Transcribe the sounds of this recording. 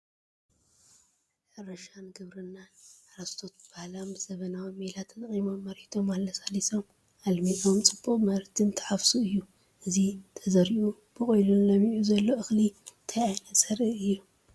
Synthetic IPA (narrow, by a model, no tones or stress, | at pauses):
ʔɨɾɐʃanɡɨβɾɨnːaaɾɐst̪ʰo̞t̪b̥ahlambɨzɐβɐnawimːilat̪ʰːɐt̪ʼɐχʼimomːɐɾit̪ʰo̞malːɐsaliso̞m | ʔalmit̪o̞mt͡sʼɨboʔmɐɾt̪ʰɨnt̪ʰɐ̥ħafsuɨjːu | ʔɨzit̪ʰɐzɐɾiʔu | b̥ɨkʼojlunlɐmiʔuzɐlːo̞ʔɨxlit̪ʰɐjajnɐsɐɾɨɨjːu